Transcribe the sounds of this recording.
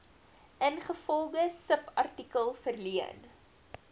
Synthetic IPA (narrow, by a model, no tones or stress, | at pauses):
ʔənχəfɔlˠdəsəpɐrtikəlˠfərliən